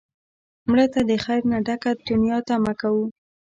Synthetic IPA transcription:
mɽət̪ad̪əxajɾnaɖakad̪ʊnjɑt̪amakawu

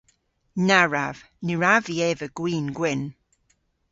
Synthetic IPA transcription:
naɹa̰v̥ | niɹaviɛvəɡ̥wiːnɡwɪn

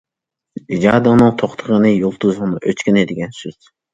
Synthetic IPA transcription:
id͡ʒɑːd̪ɨnɨŋt̪ʰoχt̪ʰəʁənɨjolˠt̪ʰuzŋnɨʔøt͡ʃkʲɪnɪd̪ɪɡʲɛnsyz̥

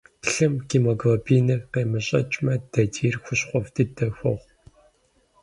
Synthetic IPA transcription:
ɬɨmkiːmoɡropʰiːnɐqeːmɨɕʼɐ̰t͡ʃʼmɐd̥ɐtʰiːrxʷʊɕχʷɔvtʰɨdɐxʷɔ̰ʁ

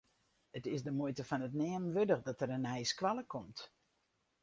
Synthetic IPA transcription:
ətɪsdəmojtəfɔnətnɛːmʋødəχdɔtəɾənɛjskʋaləkʰɔmt

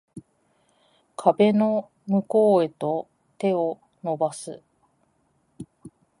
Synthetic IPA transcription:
kʰabe̞no̞ | mɯ̟ko̞ːe̞t̪o̞ | t̪e̞o̞ | no̞basɨ

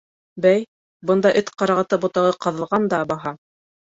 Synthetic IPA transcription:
bæj | bɤ̆nd̪ɑʔɘt̪qɑɾɑʁɤ̆t̪ɤbŏt̪ɑ̆ʁɤqɑ̆ðɤ̆lˠʁɑnd̪ɑbɑɦɑ

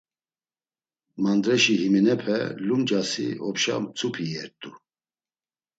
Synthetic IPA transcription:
mand̪ɾɛʃihimɛnɛpʰɛlumd͡ʒasḭɔpʃa̰mt͡sʰʼupʰijɛɾt̪ʼu

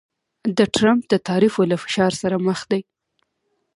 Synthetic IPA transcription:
d̪əʈɾamp̚d̪ət̪ɑɾifolafɪ̥ʃɑɾsaɾaməxd̪aj

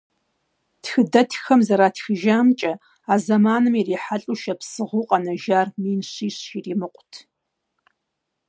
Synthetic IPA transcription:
txɨdɐtʰxɐmzɐɾaːtxɨʒaːmt͡ʃʼɐ | aːzɐmaːnɨmiriːħaɬʼuʃɐpsɨʁʷuqʼɐnɐʒaːrmiːnɕiːɕiriːmɨqʷʼʊtʰ

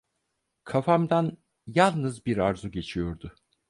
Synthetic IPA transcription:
kʰafamd̪an | jalˠnɯzbiɾaɾzuɟe̞t͡ʃʰijo̞ɾd̪ʊ

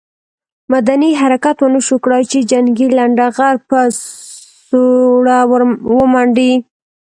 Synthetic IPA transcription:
mad̪aniɦaɾakat̪wənəʃokɽajt͡ʃed͡ʒaŋɡilaɳɖaɣaɾpə | soɽawwəmaɳɖi

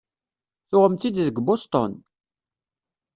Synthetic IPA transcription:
θʊʁəmt̪id̪ðəɡbost̪ˤɔ̰n

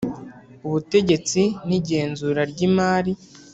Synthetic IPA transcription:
uβute̞ɟe̞t͡siniɟe̞ːnzuɾaɾɟimaːɾi

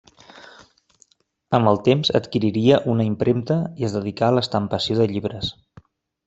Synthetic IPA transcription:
əmbəlˠt̪emzə̰t̪kiɾiɾiəʔunəimpɾʔemt̪əiəzðəð̞ikaləst̪əmpəsioðəʎiβɾəs

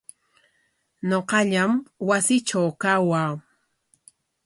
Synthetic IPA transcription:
ɲoqɑʎamwasɪʈ͡ʂawkawaː

